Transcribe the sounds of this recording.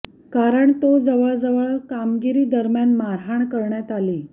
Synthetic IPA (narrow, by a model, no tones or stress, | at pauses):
kaɾəɳt̪od͡zəʋəɭd͡zəʋəɭkamɡiɾiːd̪əɾmjanmaɾɦaɳkəɾɳjat̪aliː